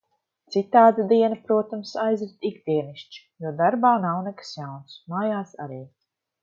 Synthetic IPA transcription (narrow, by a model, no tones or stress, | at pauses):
t̪sit̪aːd̪ad̪iɛnapɾuɔt̪amsajzɾit̪iɡd̪iɛniʃt͡ʃi̥juɔd̪aɾbaːnawnɛkḁsjawnsmaːjaːsa̰ɾiː